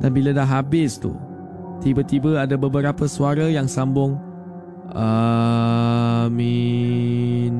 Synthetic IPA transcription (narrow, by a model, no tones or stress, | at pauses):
danbiladaɦabɪst̪ṵ | t̪ibət̪ibəadabəbəɾapəsuaɾəjaŋsambʊŋ | ə | mi | n